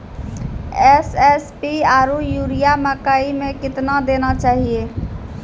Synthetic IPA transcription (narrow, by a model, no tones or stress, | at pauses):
ɛsɛspiaːɾujuɾijaməkaimẽkɪt̪nad̪eːnat͡ʃaːɦije